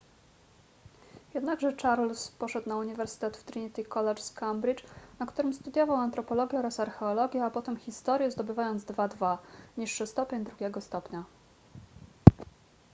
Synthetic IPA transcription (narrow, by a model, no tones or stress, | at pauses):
jɛd̪naɡʐɛt͡ʂaɾlspɔʂɛt̪nauɲivɛɾsɘ̥t̪ɛt̪ft̪ɾiɲit̪ʲikɔlɛt͡ʂskambɾit͡ʂnakt̪uɾɘmst̪ud̪ʲjɔvawant̪ɾɔpɔlɔɡʲjɛɔɾasaɾxɛɔlɔɡʲjɛapɔt̪ɛmxʲist̪ɔɾjɛzd̪ɔbɘvajɔnd̪zd̪vad̪vaɲiʂːɘst̪ɔpʲjɛɲd̪ɾuɡʲɛɡɔst̪ɔpɲa